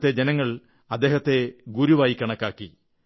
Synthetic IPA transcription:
t̪ːe̞d͡ʑenɐŋːɐɭ | ɐd̪ːe̞ːhɐt̪ːe̞ɡuɾuʋaːjikːɐɳɐkːaːkːi

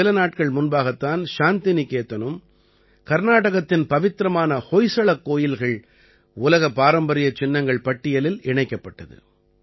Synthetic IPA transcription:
ɪlɐnaːʈ̚kɐɭmʊnbaːɣɐt̪ːaːnʃaːnt̪ɪnɪkeːt̪ːɐnɯm | kɐɾnaːʈɐɣɐt̪ːɪnpɐʋɪt̪ːɪɾɐmaːnɐhojsɐɭɐkːoːjɪlɣɐɭ | ʊlɐɣɐpaːɾɐmbɐɾɪjɐt͡ʃːɪnːɐŋɡɐɭpɐʈːɪjɐlɪlɪɳɐɪkːɐpːɐʈːɐðɯ̰

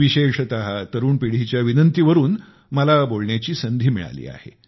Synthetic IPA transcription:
ʋiɕeʂt̪əɦat̪əɾuːɳpiɽ̤it͡ɕjaʋinənt̪iʋəɾuːn | məlabolɳjat͡ɕiːsənd̪ʱiːmiɭa̰lḭːa̰hḛ

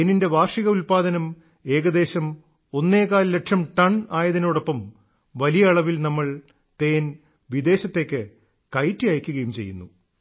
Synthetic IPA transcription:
eninde̞ʋaːrʂiɣɐulpaːd̪ɐnɐm | e̞ːɣɐd̪e̞ːɕɐm | o̞nːe̞ːkaːlle̞ʈʂɐmʈɐɳaːjɐðinoːɽo̞pːɐm | ʋɐlijɐɐɭɐʋilnɐmːɐɭ | t̪e̞ːn | ʋid̪e̞ːɕɐt̪ːe̞ːkːɨ | kɐjtːijaːjkʲːuɣɐjumt͡ɕe̞jːunːu

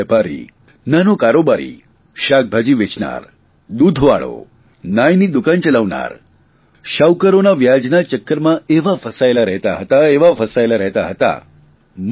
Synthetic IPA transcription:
ɛpaɾḭ | nanokaɾobaɾḭ | ɕak̚bʱad͡ʑiʋet͡ʃna̰ɾ | d̪ud̪ʱʋa̰ɭo̰ | najnid̪ukant͡ʃəlaʋna̰ɾ | ʃawkəɾonaʋjad͡ʒnat͡ʃəkːəɾmãeʋafəsajlaɾəɦt̪aɦət̪aeʋafəsajlaɾəɦt̪aɦət̪a̰ | m

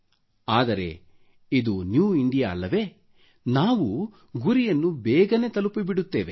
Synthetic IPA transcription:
aːd̪ɐɾe̞̰ | id̪unjuːiɳɖijaːɐlːɐʋe̞ | naːʋu | ɡuɾijɐnːubɛːɡɐne̞ːt̪ɐlupibiɽut̪ːeːʋe̞

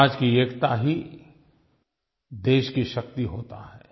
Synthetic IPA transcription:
d͡ʒkieːkt̪aɦi | d̪eːʃkiʃɐkt̪iɦoːt̪a̰ɦɛː

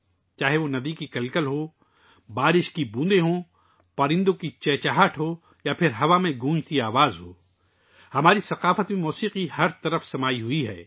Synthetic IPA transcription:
t͡ʃaːɦeʋonɐd̪ikikɐlkəlɦoː | baːɾɪʃkibũːd̪eɦõ | pɐɾɪ̃nd̪õkit͡ʃɛːt͡ʃaɦəʈʰɦoː | japʰɪɾɦɐʋamẽɡʱũːd͡ʒt̪iaːʋaːzɦoː | hɐmaːɾisɐqaːfət̪mẽmɔːsiːqihɐɾt̪ɐɾəfsɐmaːiɦʊiɦɛ̰ː

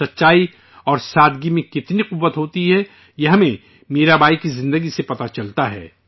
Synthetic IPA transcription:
ɐtːʃaːi | ɔːɾsaːd̪ɡimẽkɪt̪niqʊʋːət̪ɦoːt̪iɦɛ | jɐɦmẽ | meːɾabʱaːikizɪ̃nd̪əɡisepɐt̪at͡ʃɐlt̪aɦɛ̰ː

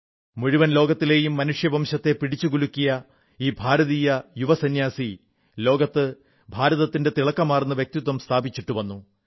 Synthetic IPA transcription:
muɻuʋɐnlo̞ːɡɐt̪ːile̞ːjumːɐnuʂjɐbʱɐmɕɐt̪ːe̞piɽit͡ɕːuɡulukʲːijɐ | iːbʱaːɾɐðiːjɐjuʋɐsɐnjaːsi | lo̞ːɡɐt̪ːɨ | bʱaːɾɐðɐt̪ːinde̞t̪iɭɐkːɐmaːrnːɨʋjk̚t̪id̪wɐmst̪ʰaːbit͡ɕːiʈːuʋɐnːu

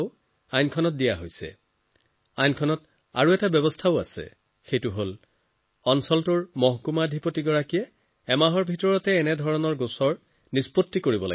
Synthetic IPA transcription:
ʊ | ajnkʰɔnɔt̚dijaɦojsɛ̰ | ajnkʰɔnɔt | a̰ɹuɛtabɛbɔstʰaʊa̰sɛ̰ | xejtuɦol | ɔnsɔltuɹmɔɦkumadʱipotiɡɔɹakijɛː | maɦɔɹbʱitɔɹɔtɛːnɛdʱɔɹɔnɔɹɡosɔɹ | nispotːikoɹibɔla̰

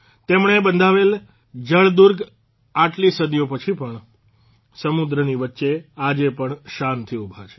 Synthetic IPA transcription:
t̪emɳebənd̪ʱaʋel | d͡ʒəɭd̪uɾɡ | aʈlisəd̪jopət͡ʃʰipəɳ | səmud̪ɾəniʋətːʃead͡ʒepəɳʃant̪ʰiubʱat͡ʃʰe̥

